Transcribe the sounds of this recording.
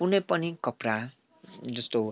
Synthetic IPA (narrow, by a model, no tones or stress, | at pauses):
unepʌnikʌpɾa | d͡zʌst̪o